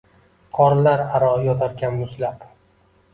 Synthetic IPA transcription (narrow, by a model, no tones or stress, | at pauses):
qʰɒɾlaɾaɾɒjɒt̪ʰaɾkʲʰamɪkʲlap